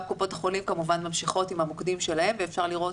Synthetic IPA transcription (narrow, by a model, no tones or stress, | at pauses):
p̚kupo̞thaχo̞limkamuvanmamʃiχo̞timhamokdimʃelahe̞mveefʃaʁliʁo̞t